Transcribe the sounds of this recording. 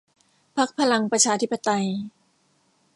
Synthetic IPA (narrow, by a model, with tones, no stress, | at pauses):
pʰa˦˥k̚pʰa˧la˧ŋpɾa˧t͡ɕʰaː˧t̪ʰi˦˥pːa˧t̪a˧j